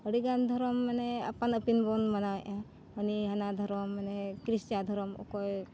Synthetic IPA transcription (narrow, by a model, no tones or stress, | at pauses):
əɽiɡand̪ʱɔɾɔmːanɛa̰panəpinbɔnmanaj | ɦəniɦanad̪ʱɔɾɔmːanekɾist͡ʃad̪ʱɔɾɔmɔ̰kɔj